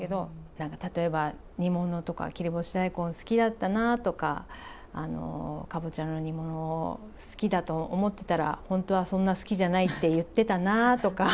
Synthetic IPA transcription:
ked̪o̞nãŋkat̪at̪o̞e̞ba | ɲ̟imo̞no̞t̪o̞ka̰kʲiɾʲibo̞ɕi̥d̪aikõ̞ñsɨ̥kʲid̪at̪ːanat̪o̞ka̰ː | no̞̰kabot͡ɕãnːo̞ɲ̟imo̞no̞ | sɨ̥kʲid̪at̪o̞ːmo̞t̪ːe̞̥t̪aɾa̰hõ̞nt̪o̞β̞asõ̞nːasɨ̥kʲiʑanait̪ːe̞jɯ̟t̪ːe̞t̪anat̪o̞ka

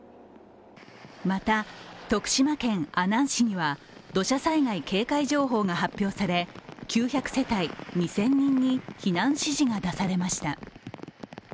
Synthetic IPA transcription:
mat̪at̪o̞kɯ̥ɕimakẽ̞ŋ̃anãɰ̃ɕiɲ̟iβa | d̪o̞ɕasaiŋaike̞ːkaiʑo̞ːɦo̞ːŋaɦapʲːjo̞ːsaɾe̞kʲʰɨːçʲakɯ̟̥se̞t̪aiɲ̟isẽ̞ɲ̟ːĩɲ̟ːiçinãɰ̃ɕiʑiŋad̪asaɾe̞maɕi̥t̪a

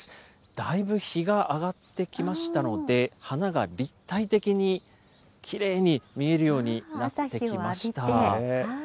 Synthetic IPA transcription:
d̪̥aibɯ̟çiɡaʔːɡat̪ːe̞kʲimaɕi̥t̪ano̞d̪e̞hanaɡaɾʲit̪ːait̪e̞kʲiɲ̟i | kʲʰiɾe̞ːɲ̟imʲie̞ɾɯ̟jo̞ːɲ̟inat̪ːe̞kimmaɕi̥t̪a

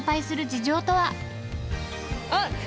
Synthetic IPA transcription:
paisɨɾɯ̟d͡ʑiʑo̞ːt̪o̞βa

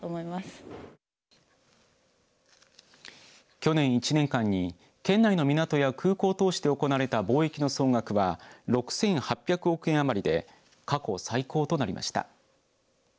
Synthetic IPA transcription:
omoimasɨ̥ | kʲo̞nẽ̞ɰ̃it͡ɕinẽ̞ŋkãɲ̟ːi | kẽ̞nːaino̞mʲinat̪o̞jakʰɯ̟ːko̞ːt̪o̞ːɕi̥t̪e̞o̞ko̞naːɾe̞t̪abo̞ːe̞kʲino̞so̞ːŋɡakɯ̟βaɾo̞kɯ̟̥sẽ̞ɰ̃hapʲːjakɯ̟o̞kɯ̟ẽ̞ɰ̃amaɾʲid̪e̞̰ | kako̞saiko̞ːt̪o̞naɾʲimʔa̰ɕi̥t̪a̰

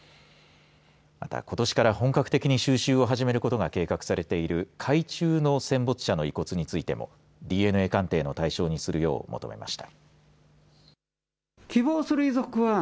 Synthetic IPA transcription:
ma̰t̪a̰ko̞t̪o̞ɕi̥kaɾahõ̞ŋkakɯ̟̥t̪e̞kʲiɲ̟iɕɨːɕɨːo̞ɦaʑime̞ɾɯ̟ko̞t̪o̞ɡake̞ːkakɯ̟̥saɾe̞t̪e̞iɾɯ̟kʰait͡ɕɨːno̞sẽ̞mbo̞t͡sɨ̥ɕano̞iko̞t͡sɨɲ̟it͡sɨit̪e̞̰mo̞̰ | dʲiːe̞nɯ̟e̞ːkãnt̪e̞ːno̞t̪aiɕo̞ːɲ̟isɨɾɯ̟jo̞̰ːmʔo̞t̪o̞̰me̞̰ma̰ɕi̥t̪ḁ | kʲibo̞ːsɨɾɯ̟izokɯ̟βa

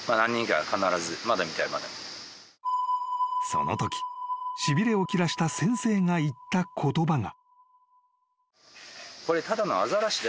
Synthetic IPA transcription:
manãɲ̟ːĩŋka̰kanaɾazɨmad̪amʲit̪aimad̪ḛ | so̞̰no̞̰t̪o̞kʲi̥ɕibʲiɾe̞o̞kʲiɾaɕi̥t̪asẽ̞ɰ̃se̞ːŋait̪ːakʰo̞t̪o̞baŋa̰ | ko̞ɾe̞t̪ad̪ano̞azaɾaɕid̪

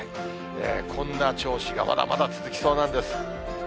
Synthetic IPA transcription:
ḛːkʰõ̞nːat͡ɕo̞ːɕiɡa̰mʔa̰d̪a̰mʔa̰d̪at͡sɨzɨkʲi̥so̞ːnãnd̪e̞sɨ̥

